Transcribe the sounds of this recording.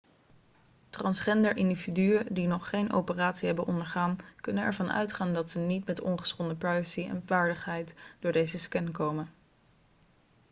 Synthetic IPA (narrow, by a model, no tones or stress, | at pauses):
trɑnsχɛndəɹʔɪndividyədinɔχːejnʔo̰wpəraːtsiɦɛbənʔɔndəɹχaːnkɵnənɛ̰ɹvɑnœ̰ɥtχaːndɑtsənitmɛtɔ̰nχə̥sχɔndəprɑjvəsiɛ̰nvaːɹdəχɦɛjtd̥ʊːɹdejzəskɛnkowmə